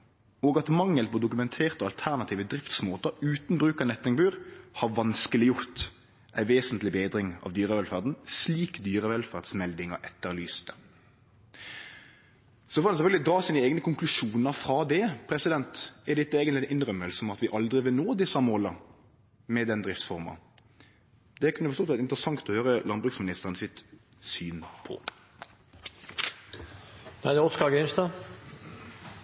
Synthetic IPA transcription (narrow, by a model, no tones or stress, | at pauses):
oːɡɑt̪mɑŋːəlpʰɔd̪ʊkʉmɛnt̪ʰeːʁt̪ɔɑlt̪ʰæʁnɑt̪ʰiːʋəd̪ɾɪft̪smoːt̪əʉːt̪n̩bʁʉːkɑnɛt̪ːɪŋbʉːʁhɑʋɑnskəlɪjʊʁt̪ | ʔæɪʋeːsənt̪lɪbeːd̪ɾɪŋɑ̰ʋd̪yːʁəʋɛlfæʁd̪n̩sliːkd̪yːɾəʋɛlfæʁd̪smɛld̪ɪŋɑʔɛt̪ːəʁlyːst̪ə̥ | sɔfɔːd̪ɛnsɛføːɡlɪd̪ɾɑːsiːnəeːɡnəkʰʊŋklʉʂuːnəɾfʁɑd̪ɛpʰʁɛsɪd̪ɛnt̪æd̪ɪt̪ːəeːɡənɪʔɪnʁœmːəlsɔmɑt̪ʋɪʔɑld̪ʁɪʋɪlnoːd̪ɪsɑmoːlə | mɛd̪ɛnd̪ʁɪft̪sfɔʁmɑ̰ | d̪ɛkʰʉnːəfɔsɔːt̪sɛt̪ɪnt̪ʁəsɑŋt̪ɔhøːʁəlɑnbʉksmɪnɪst̪əʁənsɪt̪ | syːnpʰɔ̰ | d̪æd̪ɛɔskɑɡɛnst̪ɑ